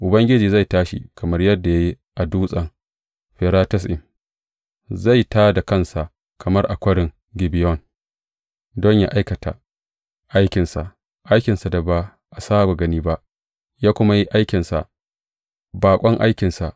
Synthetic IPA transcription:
ʔʊ˨bɐ˦ŋɡʲɪ˦d͡ʒiː˨za˦˨jtaː˦ʃḭ˨kʰɐ˨mɐ˦rjɐ˦dːa˨ja˦ji˦ | ʔa˨duː˦sʼɐ˨ŋ | ɸɛ˨ɾaː˦tɐ˦sʔɪ˨m | za˦˨jtaː˦da˨kɐ˦˨nsa˨ʔ | kʰɐ˨mɐ˦rʔa˨kʷɐ˦ɽɪ˨ŋ | ɡɪ˨bɪ˨jɔ˦˨n | dɔ˦ɲjaː˦ʔa˦jkɐ˨ta˨ | ʔa˦jkʲɪ˨nsa̰˨ʔ | ʔa˦jkʲɪ˨nsa˨da˨ba˦ | ʔa˨saː˦bo˨ɡɐ˦niː˦ba˦ʔ | jaː˦kʷʊ˦ma˦ji˦ʔa˦jkʲɪ˨nsa˨ʔ | baː˨kʷʼɔ˦ŋʔa˦jkʲɪ˨nsa˨ʔ

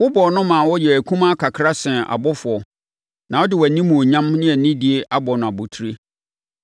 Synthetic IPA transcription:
wʊ˦bɔ˨nʊ̃˦mã˨wɔ˦jɛ˨æ˨kʰũ˦mã˦kʰa˨kʰɾa˦sɛ̃˨a̰˨bɔ˦fʊ˨ɔ˨ | nã˨wɔ˦dɪ˨wæ˨nĩ˦mũ˨o˨ɲã˦mnɪ̃˦ɛ˨nĩ˦di˨e˨ʔa˦bɔ˨nʊ̃˨a˨bo˨tʰu˦ɾe˦

